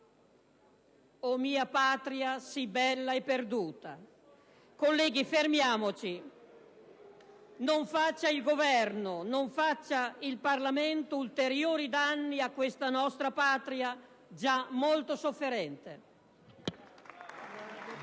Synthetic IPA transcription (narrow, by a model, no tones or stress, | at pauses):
omiːapaːt̪ɾiasibɛlːaɛpːerd̪uːt̪a̰ | kolːɛːɡifermjaːmot͡ʃi | noɱfat͡ʃːailɡovɛrnonoɱfat͡ʃːailparlament̪oult̪eɾjoːɾid̪anːiakwest̪anɔst̪ɾapaːt̪ɾia | d͡ʒamːolt̪osofːeɾɛnt̪e